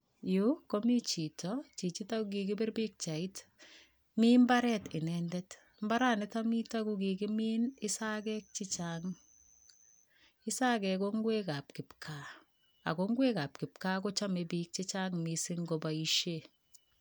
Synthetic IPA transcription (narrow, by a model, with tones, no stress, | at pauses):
ju˦kːo˦mi˦t͡ʃi˨tʰɔt͡ʃi˨t͡ʃi˦ta˦kuki˨kɪ˦bɪ˦ɾbi˦k̚t͡ʃa˨i˦t | miː˦mba˦ɾɛ˦tɪ˨nɛndɛ˦t | mba˦ɾa˦nɪta˦mi˦ta˦kuki˨kɪ˦miː˦nɪ˦sa˦kɛ˦k̚t͡ʃɪt͡ʃaŋ | ɪ˦sa˦kɛko˦ŋɡwe˦ka˨p̚kɪ˨pkʰa | a̰˨ko˦ŋɡwe˦ka˨p̚kɪ˨p̚ka˦ko˦t͡ʃa˦mebi˦k̚t͡ʃɪ˦t͡ʃa˦ŋmisɪ˦ŋɡo˨bai˦ʃe˦